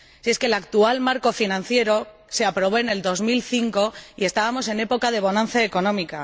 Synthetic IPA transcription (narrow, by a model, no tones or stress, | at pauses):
sie̞skelakt̪ualmaɾko̞finãnθje̞ɾo̞ | se̞apɾo̞β̞o̞ene̞ld̪o̞zmilθiŋko̞ie̞st̪aβamo̞s̬e̞ne̞po̞kað̞e̞β̞o̞nãn̟θjaeko̞nõ̞mika